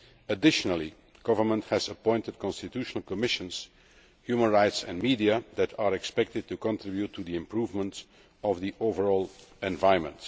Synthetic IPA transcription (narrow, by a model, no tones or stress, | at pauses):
ədɪʃənəlˠi | ɡ̥ʌvə˞mə̃nthɛzəpɔ̃ɪntəd̚kɔ̃nstɪtuːʃnəlˠkɔmɪʃə̃ns | hjuːmə̃nɹaɪtsɛ̰̃nmiːdiad̪ætʰaːɹɛkspɛk̚tɪd̚tukɔ̃ntɹɪbjutʰːud̪iɪ̃mpɹuːvmə̃nt | ɔvðiʔovəɹɔːlˠɛ̃ɱvaɪə̃nmə̰̃nt